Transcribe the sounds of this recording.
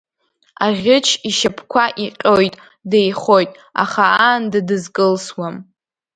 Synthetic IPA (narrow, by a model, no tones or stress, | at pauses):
aʁʲɪt͡ʃʰiʃapʰkʷʰaʔiqʲʼojtʼ | dejχo̞jtʼ | a̰χaandadɨzkʼɨlswam